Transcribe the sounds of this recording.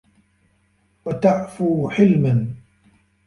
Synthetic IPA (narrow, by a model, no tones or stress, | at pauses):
wat̪aʕfuːħɪlman